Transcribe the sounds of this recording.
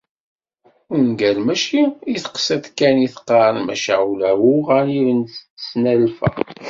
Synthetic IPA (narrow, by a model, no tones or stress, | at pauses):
ʊnɡælmæʃiiθə̥qsæðkæniθə̥qɑɾənmæ̰ʃaulæwuʁænivənt͡sːsnælfæ̰